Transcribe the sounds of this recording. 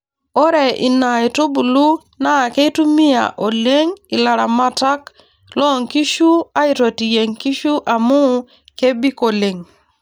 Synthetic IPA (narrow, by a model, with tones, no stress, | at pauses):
ɔ˦ɾɛ˨ʔḭ˨na˨i˨to˦bu˨lu˦ | na˦˨ke˦i˦tu˦mi˦a̰˨ʔo˨le˦ŋɪ˨la˨ɾa˨ma˦ta˦k | lɔ˦˨ŋki˦ʃu˦a˦ɪ˨to˨ti˨je˨ŋki˦ʃu˦ʔa˨mʊ˦ | ke˦bi˦ko˨le˨ŋ